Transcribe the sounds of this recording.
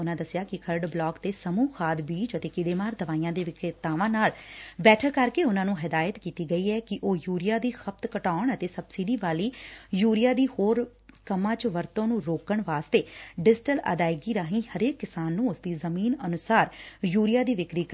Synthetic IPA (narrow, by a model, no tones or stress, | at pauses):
ʊnãːd̪əsjaːkɪkʰəɾɖblɔːkt̪eːsəmuːkʰaːd̪biːt͡ʃət̪eːkɪɽeːmaːɾd̪əʋaːijãːd̪eːʋɪkʰet̪aːʋãːnaːlbɛːʈʰəɾkəɾkeːʊnãːnũːɦɪd̪aːjət̪kiːt̪iːɡəiːɛːkɪʔoːjuːɾɪjaːd̪iːxəp̚t̪kəʈaːʊɳət̪eːsəbsɪɖiːʋaːliːjuːɾɪjaːd̪iːhoːɾ | kəmãːt͡ʃʋəɾt̪õːnũːɾoːkəɳʋaːst̪eːɖɪd͡ʒʈələ̰d̪aːɪɡiːɾaːɦĩːhəɾeːkːɪsaːnːũːʊsd̪iːzəmiːnənʊsaːɾjuːɾɪjaːd̪iːʋɪkɾiːk